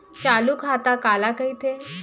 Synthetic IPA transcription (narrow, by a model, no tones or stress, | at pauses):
t͡ɕalukɦat̪akalakəit̪ʰe